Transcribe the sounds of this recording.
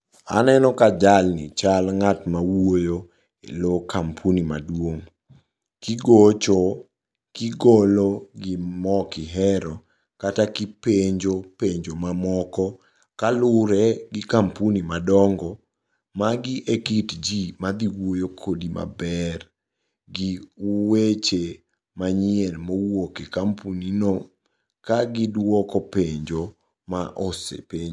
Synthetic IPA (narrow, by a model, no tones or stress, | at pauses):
a̰nɛnɔkad͡ʒalnɪ̰t͡ʃalŋatmawojo | ḛlokampʰunima̰dwoŋ | kiɡot͡ʃɔ | kɪɡoloɡɪmɔkɪɦɛɾɔ | katakipeɲd͡ʒopeɲd͡ʒomamɔkɔ | kalʊɾɛɡɪkampunimadɔŋɡɔ | maɡɪʔekitd͡ʒimad̪iwojokʰodima̰bɛr | ɡɪwet͡ʃe | maɲɪɛnmowokekampunino | kaɡɪdwɔkɔpeɲd͡ʒo | maʔosḛpeɲ